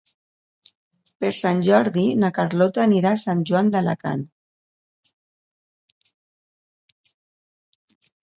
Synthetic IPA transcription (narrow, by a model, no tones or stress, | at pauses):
peɾsanʲʒɔɾðinakaɾlɔt̪aːniɾasanʒuwand̪ala̰ka̰n